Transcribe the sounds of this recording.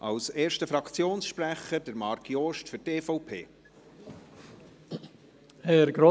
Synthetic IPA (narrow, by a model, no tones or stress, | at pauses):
ʔɑwseːɾʃtəfɾɑkʰt͡sjoːnsʃpɾæχəɾd̥əɾmɑɾkjoːʃtfʏɾteːfɔʊpʰḛː | hɛɾɡɾo